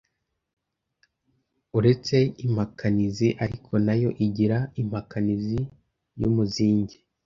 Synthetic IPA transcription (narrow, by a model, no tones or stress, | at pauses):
uɾe̞t͡se̞im̥hakʰaniziʔaɾikʰo̞najo̞ʔiɟiɾaim̥hakanizi | jumuziːɲɟi